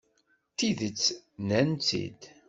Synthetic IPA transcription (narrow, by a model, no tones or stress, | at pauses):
θiðət͡sːnænt͡sḭd̪